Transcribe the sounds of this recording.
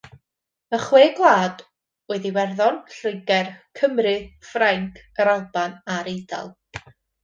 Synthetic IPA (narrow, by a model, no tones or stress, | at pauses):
əχweːɡlˠaːd | ɛðiwɛrðɔnɬɨjɡɛrkʰəmrɨfraŋkʰəɾalˠbanaɾejda̰lˠ